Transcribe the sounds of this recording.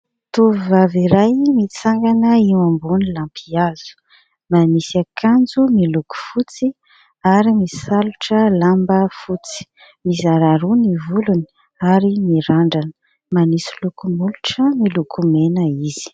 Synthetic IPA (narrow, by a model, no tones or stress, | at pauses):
t̪uvivaviɾajmit͡saŋɡanəiwambunilampʰiazu̥ | manisakʰand͡zumiluku̥fut͡si | aɾimisaluʈ͡ʂəlambəfut͡si̥ | mizaɾaɾunivuluni̥ | aɾimiɾaɳɖ͡ʐanə̥ | manisilukumuluʈ͡ʂəmilukʰumenəiz̥i̥